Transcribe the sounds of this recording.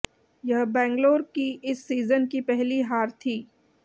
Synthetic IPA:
jɐɦbɛ̃ːŋɡloːɾkiʔɪsːiːzənkipɛɦliɦaːɾt̪ʰiː

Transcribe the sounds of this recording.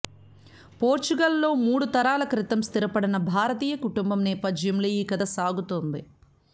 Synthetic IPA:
poːɾt͡ʃuɡɐlːo̞ːmuːɽut̪ɐɾaːlɐkɾit̪ɐmst̪iɾɐpɐɽinɐbʱaːɾɐt̪iːjɐkuʈumbɐmnɛːpɐd͡ʒjɐmlejiːkɐd̪ɐsaːɡut̪ond̪i

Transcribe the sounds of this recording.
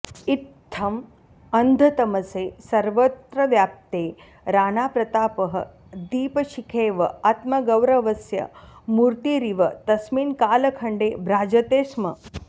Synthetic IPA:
it̪ʰːɐm | ɐnd̪ʱɐt̪ɐmɐseːsɐɾʋɐt̪ɾɐʋjaːp̚t̪eː | ɾaːnaːpɾɐt̪aːpɐɦɐ̰ | d̪iːpɐʃikʰeːʋɐ̰aːt̪mɐɡɐwɾɐʋɐsjɐ̰muːɾt̪iɾiʋɐt̪ɐsmiːnkaːlɐkʰɐɳɖeːbʱɾaːd͡ʒɐt̪eːsmɐ̰

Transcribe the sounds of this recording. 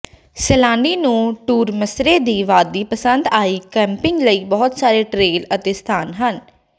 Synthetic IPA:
sɛlãːɳɖiːnũːʈuːɾməsɾeːd̪iːʋaːd̪iːpəsənd̪aːiːkɛ̃ːmpɪŋɡləiːbɔːt̪saːɾeːʈɾeːlət̪eːst̪ʰaːnɦən

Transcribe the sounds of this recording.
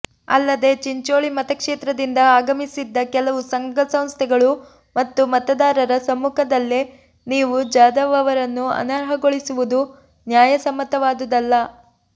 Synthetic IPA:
ɐ̰lːɐd̪e̞t͡ʃiɲt͡ʃoːɭimɐt̪ɐkʂeːt̪ɾɐd̪ind̪ɐaːɡɐmisid̪ːɐkɛlɐʋusɐŋɡɐsɐm̃st̪ʰɛɡɐɭu | mɐt̪ːumɐt̪ɐd̪aːɾɐɾɐsɐmːukʰɐd̪ɐlːe | niːʋud͡ʒaːd̪ɐʋɐʋɐɾɐnːuɐ̰nɐːɾɦɐɡo̞ɭisuʋud̪u | njaːjɐsɐmːɐt̪ɐʋaːd̪ud̪ɐlːɐ

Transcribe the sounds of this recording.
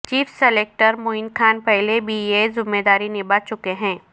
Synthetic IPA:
t͡ʃiːfseleːk̚ʈəɾmʊɪnkʰaːnpɛɦlebijezɪmːeːd̪aːɾinɪbat͡ʃʊkeɦɛ̃ː

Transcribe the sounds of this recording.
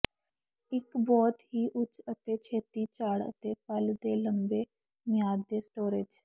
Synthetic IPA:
ɪkbɔːt̪hiːʔʊt͡ʃət̪eːt͡ʃʰeːt̪iːt͡ʃaːɽə̰t̪eːpəld̪eːləmbeː | mɪjaːd̪ːeːsʈoːɾɪd͡ʒ

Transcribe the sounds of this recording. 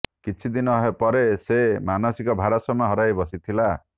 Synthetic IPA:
kit͡ʃʰid̪inɔɦepɔɾesemanɔsikɔbʱaɾɔsɔmɦɔɾajbɔsit̪ʰila

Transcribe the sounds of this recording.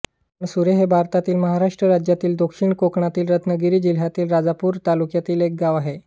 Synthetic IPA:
əɳsuɾeɦebʱaɾt̪at̪iːlməɦaɾaʂʈɾəɾad͡ʑjat̪iːld̪okʂiɳkokɳat̪iːlɾət̪ʰnəɡiɾiːd͡ʑil̤ɦjat̪iːlɾad͡zapuːɾt̪alukjat̪iːlek̚ɡaʋaɦe

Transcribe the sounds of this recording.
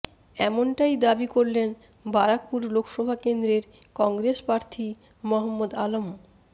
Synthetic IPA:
ɛmonʈajd̪abikoɾlen | baɾak̚puɾlokʰʃɔbʱakend̪ɾeɾkɔŋɡɾeʃpɾaɾt̪ʰi | mɔɦomːod̪alom

